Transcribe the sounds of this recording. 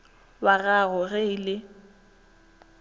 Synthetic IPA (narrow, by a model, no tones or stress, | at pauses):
waɣaɣʊɣɛɪlɪ